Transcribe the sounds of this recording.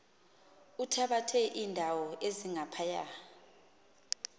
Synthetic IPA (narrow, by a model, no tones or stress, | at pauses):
utʰaɓatʰɛʔiːndʱawɔʔeziŋapʰaja̰